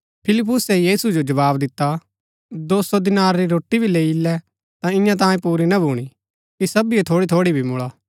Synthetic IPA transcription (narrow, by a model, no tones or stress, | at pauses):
pʰɪlɪp̬ːʊsɛjiːsud͡ʒod͡ʒɐβaːbd̪ɪt̪ːa | d̪oːsod̪ɪnaːɾɾiɾoːʈːibʱileːilɛ | t̪ãɪ̃jãt̪̬ãːjẽpuːɾinɐbʱuːɽ̃i | kisɐbiɛt̪ʰoːɽit̪ʰoːɽibʱimʊɭaː